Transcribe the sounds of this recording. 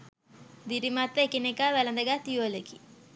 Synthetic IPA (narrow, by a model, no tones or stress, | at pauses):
d̪iɾimat̪ːəekinekaʋælənd̪əɡat̪ːijuəleki